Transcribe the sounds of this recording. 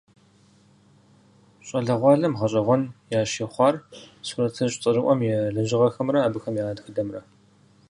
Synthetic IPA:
ɕʼɐɮɐʁʷɑːɮɐmʁɐɕʼɐʁʷɔnjaːʃeːχʷɑːrsurɐtʰɐɕʼt͡sʼɨrɨʔʷɔmjɛɮɐʒɪʁɐxɐmrɐaːbɨxɐmjaːdxɨdɐmrɐ

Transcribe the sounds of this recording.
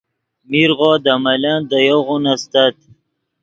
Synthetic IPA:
miɾʁoːd̪amaland̪ajoʁunast̪at̪

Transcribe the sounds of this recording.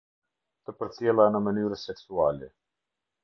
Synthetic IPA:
t̪əpəɾt͡sjɛlˠanəmənyɾəsɛksualɛ

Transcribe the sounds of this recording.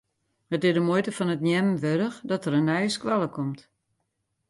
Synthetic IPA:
hətɪdəmojtəfɔnətnjɛmʋøɾəxdɔtəɾənɛjəskʋalˠəkʰɔmt

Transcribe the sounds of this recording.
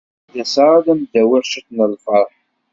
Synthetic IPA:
jæsɾˤaðæmd̪æwɪɾʃəθnəlfəɾˤħ

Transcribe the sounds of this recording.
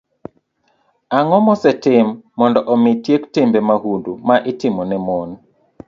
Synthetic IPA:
aŋɔmɔsɛtɪmːɔndɔʔɔmɪtjektɪmbemahundumaʔɪtɪmɔnɛmon

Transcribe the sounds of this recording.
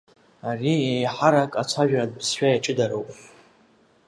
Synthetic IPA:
ariejħaɾakʼat͡ʃʷʰaʒᶣrad̚pʰsʃᶣajaʈ͡ʂʼɨdaɾowpʼ

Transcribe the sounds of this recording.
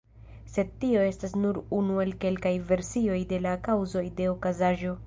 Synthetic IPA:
se̞d̚tio̞e̞stasnuɾunue̞lke̞lkajve̞ɾsio̞jde̞lakawzo̞jde̞okazaʒo̞

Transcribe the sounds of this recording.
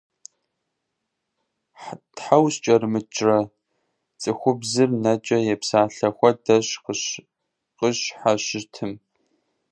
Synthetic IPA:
ħtħawɕt͡ʃʼɐrmɨt͡ʃʼrɐ | t͡sʼɨxʷʊbzɨrnɐt͡ʃʼɐjɛpsaːɬɐxʷɔdɐɕqəɕ | qəɕħaɕɪtʰɨm

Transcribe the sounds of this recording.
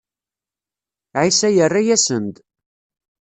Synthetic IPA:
ʕisæjərːajæsənd̪

